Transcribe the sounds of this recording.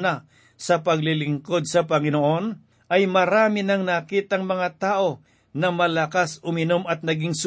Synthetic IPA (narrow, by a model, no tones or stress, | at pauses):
na | sɐpɐɡlɪlɪŋko̞d̪̚sɐpɐŋɪnoʔo̞n | ʔɐjmɐɾaːmɪnɐŋnaːkiːt̪ɐŋmɐŋat̪aːʔo̞ | nɐmɐlɐkasʊmɪno̞mɐt̪̚nɐɡɪŋs